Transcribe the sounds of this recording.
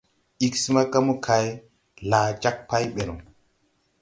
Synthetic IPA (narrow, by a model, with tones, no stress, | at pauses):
i˨ksi˦ma˦ka˦mu˦kʰa˨j | la˨t͡ʃa˦k̚pa˦jɓe˨nu˨